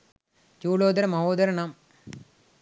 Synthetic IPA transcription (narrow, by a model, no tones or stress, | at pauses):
t͡ɕuːɭoːd̪ɐɾɐmɐɦoːd̪ɐɾɐɳaːm